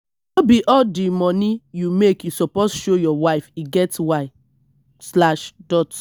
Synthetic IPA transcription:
nobiʔɔdimɔ̃nijumekjusɔposʃojɔwaɪfiɡɛtwaɪ | slaʃdɔt

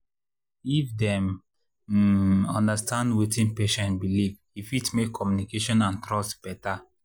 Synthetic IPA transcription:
ifdɛ̃m | ɔ̃ndastãndwetĩnpeʃɛ̃ntbilivhifitmekʰːɔmjunikeʃɔ̃nãntɾɔstb̥ɛta

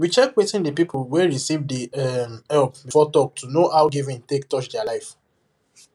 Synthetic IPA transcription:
wit͡ʃɛkwetĩndəpipʰulwɛɹisivdiɛmɛlpbifɔtɔk̚tʰunoʔawɡivĩntek̚tɔt͡ʃdɛalaɪf

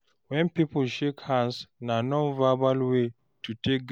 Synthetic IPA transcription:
wɛ̃npipɔlʃekhãnsnanɔ̃nvabalwe | tʰutʰek̚ɡ

